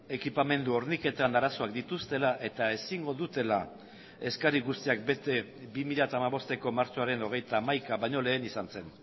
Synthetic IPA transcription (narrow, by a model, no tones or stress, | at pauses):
e̞kipame̞nd̪uo̞ɾnike̞t̪anaɾaso̞akd̪it̪ust̪e̞laʔe̞t̪ae̞siŋɡo̞ðut̪e̞la | e̞skaɾiɣust̪iak̚be̞t̪e̞bimiʎat̪aːmaβo̞st̪e̞ko̞maɾt͡ʃo̞aɾe̞no̞ɣ̞e̞jt̪aːmajkaβajɲo̞le̞ːnisanse̞n